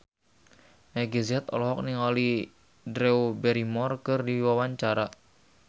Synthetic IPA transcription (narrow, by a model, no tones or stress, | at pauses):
naɡeziat̪ɔ̰lɔɦɔk̚niŋali | dɾɛubɛɾimɔrkɨrdiwawaɲt͡ʃaɾa